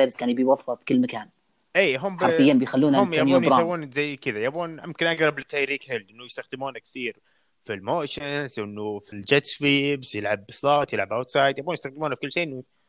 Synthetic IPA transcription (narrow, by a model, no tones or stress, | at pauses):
eːɾɪskaːnbɪjwafɑfkɪlːmakaːn | ʔiːɦʊmħafɪjːanbɪjxalːuːnʔʊmːjauːnjɾsawːuːnzajːkɪd̪ajabuːnʔɪmkɪnʔaɡɾˤɑblɪt̪ːaːjɾiːkhɪlːʔɪnːʊjɪst̪axd̪ɪmuːnakθiːɾ | filmoːʃɪnzʔɪnːʊfild͡ʒɛt̪fiːbzjɪlʕabsˤlɑːt̪jɪlʕabʔat̪sˤɑːjt̪jabuːnjɪst̪axd̪ɪmuːnafikʊlːʃeːʔɪnːʊ